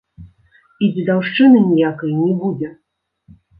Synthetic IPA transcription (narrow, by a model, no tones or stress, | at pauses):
id͡zʲid̪awʂt͡ʂɨnɨnʲijakɐjnʲɛbud͡zʲɛ